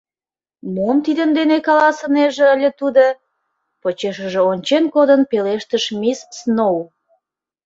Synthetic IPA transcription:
muəmt̪id̪ənd̪enekɑlɑsə̆neʒeəlʲət̪ud̪ə | pot͡ɕeʃəʒĕonʲt͡ɕenkod̪ənpeleʃt̪əʃmʲisːnow

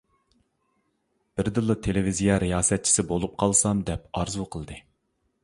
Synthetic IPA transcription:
b̥ɪɾd̪ɨlˠːɨt̪ʰelɪvizijɑɾijɑːsɛt̪̚t͡ʃʰi̥sɪbolˠup̚qʰɑlˠsɑmd̪ɛpɑɾzuqʰəlˠd̪ɨ

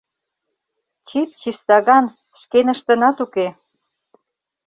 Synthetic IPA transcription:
t͡ɕit̪̚t͡ɕiʃt̪ɑɣɑn | ʃkenə̆ʃt̪ə̆nɑt̪uke

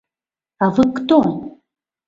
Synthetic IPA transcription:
avɨkt̪on

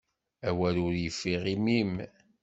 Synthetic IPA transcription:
æwælʊɾjəfːiʁimim

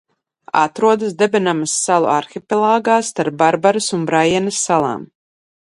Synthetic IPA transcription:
a̰t̪ɾuɔd̪əsd̪ɛbɛnamasːalˠṵaɾxʲipʲɛlˠaːɡaːst̪aɾp̚baɾbaɾɐsunbɾajɛnɐsːalˠa̰ːm

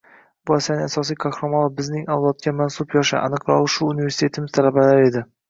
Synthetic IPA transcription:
bʊasanɪasɒsijkʰaxɾamalˠabɪznɪŋawlˠɒt̪̚kʲʰamansʊpjɒʃa̰ʔa̰nɨqɾɒʁˠɨʃʊːnivesɪ̥t̪ʰe̞t̪ʰɪmɪzt̪ʰalabalaɾe̞d̪ɪ

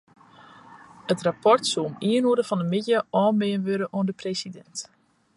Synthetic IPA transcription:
ətrapʰɔrtsuomiənuəɾəfɔndəmɪtjəɔːmɪːənʋøɾəʔoəndəpresidɛnt

